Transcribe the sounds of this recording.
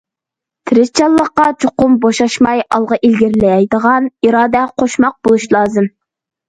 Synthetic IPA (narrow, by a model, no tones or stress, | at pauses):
t̪ʰɪɾɪst͡ʃʰɑlˠːəqːɑt͡ʃʰoqʊmboʃɑʃmɑjɑlˠʁɑʔilɡʲiɾlɛjɛjd̪əʁɑniɾɑːd̪ɛqʰoʃmɑq̚b̥olˠuʃlˠɑːzɨm